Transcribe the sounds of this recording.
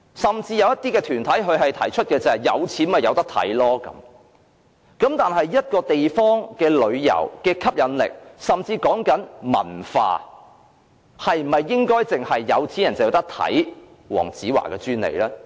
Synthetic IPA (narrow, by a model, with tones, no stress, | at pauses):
sɐ˨mt͡siː˧jɐ˧wjɐ˥t̪iː˥kɛː˧t̪ʰyː˨˩nt̪ʰɐ˨˥jɦɵ˨˧ɥhɐ˨jt̪ʰɐ˨˩jt͡ʃʰɵ˥t̚kɛː˧t͡sɐ˨ɐ˨˩jɐ˨˧wt͡sʰiː˨˥mɐ˨jɐ˨˧wt̪ɐ˥k̚t̪ʰɐ̰˨˥jlɔː˥kɐ̰˨˥m | kɐ˨˥mt̪aː˨nɦɐ˨jjɐ˥t̚kɔː˧t̪e˨jfɔː˥ŋkɛː˧lɵ˨˧ɥjɐ̰˨˩wkɛː˧kʰɐ˥p̚jɐ˨˧nlɪ̰˨k̚sɐ˨mt͡siː˧kɔː˨˥ŋkɐ˨˥nmɐ̰˨˩nfa̰ː˧ | hɐ˨jm̩˩mɐ˨jːɪ˥ŋkɔː˥jt͡sɪ˨ŋhɐ˨jːɐ˨˧wt͡sʰiː˨˥jɐ˨˩nt͡sɐ˨jɐ˨˧wt̪ɐ˥k̚t̪ʰɐ̰˨˥j | wɔ̰ː˨˩ŋt͡siː˨˥wa̰ː˨˩kɛː˧t͡syː˥nlḛ˨˩jlɛː˥